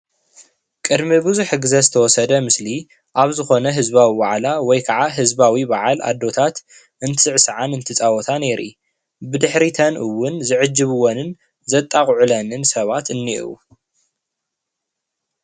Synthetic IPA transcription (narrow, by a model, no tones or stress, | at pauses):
kʼɨd̪mibɨzuħɡɨzɐzɨt̪ʰɐwɔsɐd̪ɐmɨsli | ʔaβzɨxo̞nɐɦɨzbawibaʕlawɔjkʰaʕaɦɨzbawibaʕalʔa̰d̪ːo̞t̪ʰat̪ | ɨnt̪ʰɨɨʕsɨʕanɨnt̪ʰɨt͡sʼawɔt̪ʰane̞ɾʔḭ | bɨd̪ɨħɾit̪ʰɐnʔɨwːʊnzɨʕɨd͡ʒːɨβɨwonɨn | zɐt̪ʼːakʼʕulɐnɨnsɐβat̪ʰɨnːiʔṵ